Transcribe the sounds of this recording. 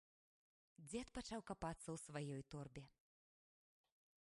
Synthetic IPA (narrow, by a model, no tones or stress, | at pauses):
d͡zʲɛt̪pat͡ʂawkapat̪sːɐwsvajɔjt̪ɔrbʲɛ